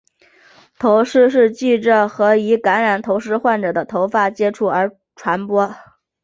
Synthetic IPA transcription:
t̪ʰo˧˥ʊʂɻ̩˥˧ʂɻ̩˥˧t͡ɕi˥˩ʈ͡ʂə˨˩xɤ˧˥i˧˥ka˧˥nɻa˨˩nt̪ʰo˧˥ʊʂɻ̩˥xwa˥˩nʈ͡ʂɤ˨˩d̪ə˦t̪ʰo˧˥ʊfa˥˩t͡ɕjɛ˥ʈ͡ʂʰu˥˩ə˞˧˥ | ʈ͡ʂʰwa˧˥npwɔ˥

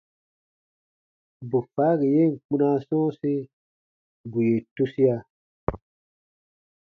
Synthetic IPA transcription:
bu˨fa˨˦ɡi˨je˦˨ŋ˨k͡pu˦na˦sɔ̃ː˦se˦ | bu˨je˨tu˦si˦a˦

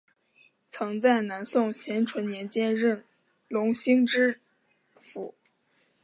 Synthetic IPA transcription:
t͡sʰɤ˧˥ŋt͡sa˥˩ɪna˧˥nsʊ˥˩ŋɕjɛ˧˥nʈ͡ʂʰwə˧˥nnjɛ˧˥nt͡ɕjɛ˥ɻə˥˩n | lʊ˧˥ŋɕi˥ŋʈ͡ʂɻ̩˥ | fu˧˥

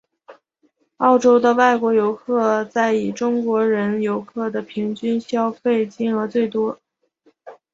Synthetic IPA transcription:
ɑ˥˩ʊʈ͡ʂo˥ʊd̪ə˧wa˥˩ɪkwɔ˧˥jo˧˥ʊkʰɤ˥˧t͡sa˥˩ɪi˨˩ʈ͡ʂʊ˥ŋkwɔ˧˥ɻə˧˥njo˧˥ʊkʰɤ˥˩d̪ə˩pʰi˧˥ŋt͡ɕy˥nɕjɑ˥ʊfe˥˩ɪt͡ɕi˥˩nɤ˧˥t͡swe˥˩ɪt̪wɔ˥

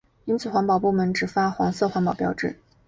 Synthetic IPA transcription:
i˥nt͡sʰɹ̩˨˩xwɑ˧˥ŋpɑ˨˩ʊpu˥˩mə˧˥nʈ͡ʂɻ̩˨˩fa˥xwɑ̰˧˥ŋsɤ˥˩xwɑ˧˥ŋpɑ˨˩ʊpjɑ˨˩ʊʈ͡ʂɻ̩˥˩

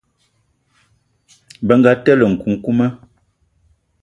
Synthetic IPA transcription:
bə˨˦ŋ̩˦ɡa˦tɛ˦lə˨ŋ̩˨ku˨˦ŋ̩˦ku˦mə˦

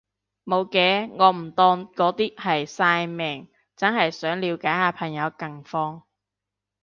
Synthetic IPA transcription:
mo˨˧wkɛː˨˧˥ŋɔː˨˧m̩˨˩t̪ɔː˧nkɔː˨˧˥t̪iː˥k̚hɐ˨jsaː˧jmɛː˨˩ŋ | t͡sɐ˥nɦɐ˨jsœː˨˥ŋliː˨˧wkaː˨˥jhaː˨˧pʰɐ˨˩ŋjɐ˨˧wkɐ˨˩ŋfɔː˧ŋ

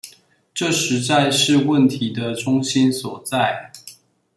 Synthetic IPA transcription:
ʈ͡ʂɤ˥˩ʂɻ̩˨˧˥t͡sa˥˧ɪʂɻ̩˥˧wə˥˩nt̪ʰi˨˧˥d̪ə˧ʈ͡ʂʊ˥ŋɕi˥nswɔ˨˩t͡sa˥˩ɪ

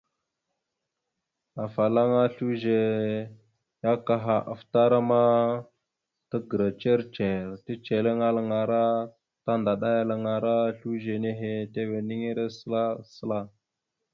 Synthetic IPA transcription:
a˨fa˨la˦ŋa˦ɬu˦ʒe˨ | ja˦ka˦ɦa˨ʔa̰˨fta˦ɾa˦ma˦ | tə˦ɡə˨ɾa˨t͡ʃe˦ɾt͡ʃe˨ɾti˦t͡ʃe˨le˦ŋa˦la˨ŋa˨ɾa˦ | ta˦nda˨ɗa˦ja˦la˨ŋa˨ɾa˦ɬu˦ʒe˨ne˦ɦe˨te˦we˨ni˦ŋi˦ɾe˦sə˦la˦sə˦la˦

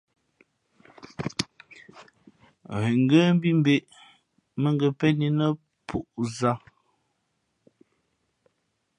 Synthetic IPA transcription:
ɣe˨ŋ˦ɡə˦m˦bi˦m˦be˨ʔ | mə˦ŋɡə˨pɛ˦ni˨nə˦ | pʰu˨ʔza˦

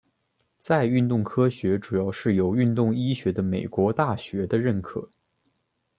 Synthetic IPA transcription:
t͡sa˥˧ɪy˥˧nt̪ʊ˥˩ŋkʰɤ˥ɕɥɛ˧˥ʈ͡ʂu˨˩jɑ˥˧ʊʂɻ̩˥˩jo˧˥ʊy˥˧nt̪ʊ˥˩ŋi˥ɕɥɛ˧˥d̪ə˧me˨˩ɪkwɔ˧˥t̪a˥˩ɕɥɛ˧˥d̪ə˧ɻə˥˩nkʰɤ̰˨˩˦

